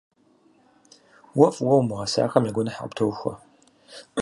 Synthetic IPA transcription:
wɐfwɐwmɨʁɐsa̰ːxɐmjaɡʷʊnɨħa̰ptʰowxʷɐ̰

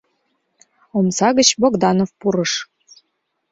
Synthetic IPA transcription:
omsɑɣət͡ɕboɡd̪ɑnofpuɾɤʃ

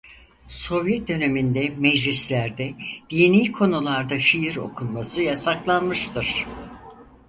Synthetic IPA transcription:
so̞vjɛt̪̚d̪ø̞ne̞mind̪ɛmɛd͡ʒlʲislʲæɾd̪ɛd̪̥iːniːkʰo̞nulˠaɾd̪aʃijiɾo̞̰kʰunmasɯjasaklˠanmɯʃt̪ʰɯɾ̥

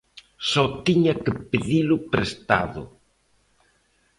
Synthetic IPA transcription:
sɔt̪iɲɐkɪpeðilʊpɾest̪a̰ðʊ̰

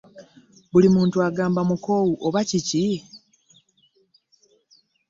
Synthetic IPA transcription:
bulimuːntuaɡaːmbamuko̞ːwuʔoβacici

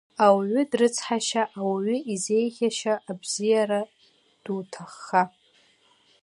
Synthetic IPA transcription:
awʕʷʏdrɨt͡sʰħaʃaʔawɥʷʏize̞jχʲaʃaʔːbzijaɾa | d̥utʰaχːa

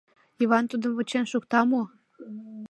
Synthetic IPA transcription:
iβɑnt̪ud̪ə̆mβət͡ɕenʃukt̪ɑmo

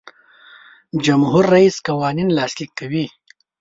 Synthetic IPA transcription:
d͡ʒɐmɦuɾːɐiːskɐwaːninlaːslikːɐwi

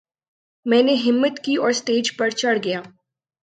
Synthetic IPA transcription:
mɛ̃ːneɦɪmːət̪kiɔːɾst̪eːd͡ʒpɐɾt͡ʃɐɽɡɐjaː

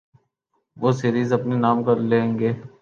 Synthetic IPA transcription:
ʋoːseɾiːzɐpnenaːmkɐɾlẽːŋɡeː

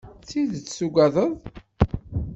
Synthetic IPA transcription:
t͡siðt͡sːsuɡɑðˤəðˤ

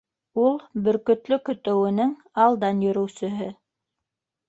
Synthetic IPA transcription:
ulˠbɵ̆ɾkɵ̆t̪lɵkɵ̆t̪ɘ̆wɘ̆nɘŋ | ɑlˠd̪ɑnjɵ̆ɾɵ̆wsɵ̆ɦɘ

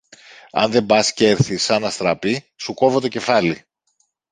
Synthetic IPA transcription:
ɐ̰nðe̞bɐsce̞ɾθisɐnɐst̪ɾɐpi | suko̞vot̪o̞ce̞fɐli

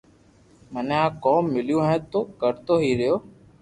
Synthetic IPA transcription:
məneãːkoːmːɪljũːɦɛ̃ːt̪oːkəɾt̪oːɦiːɾɪjoː

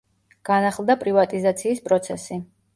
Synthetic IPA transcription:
ɡ̥anaχlˠd̪apʼɾivat̪ʼizat̪sʰiːspʼɾɔt̪sʰɛsi

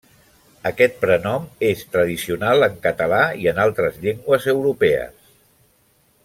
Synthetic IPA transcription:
əkɛt̪̚pɾənɔmest̪ɾəð̞isiunalˠəŋkət̪əlaiənalˠt̪ɾəzʎeŋɡwəzəwɾupɛə̰s

